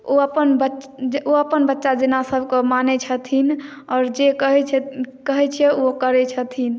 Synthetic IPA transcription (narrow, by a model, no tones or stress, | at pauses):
oəpənbəoəpənbətːʃad͡ʒenasəbʱkemanɛt͡ʃʰət̪ʰin | ɔːɾd͡ʒekəɦɛt͡ʃʰɛkəɦɛt͡ʃʰɛokəɾɛt͡ʃʰət̪ʰin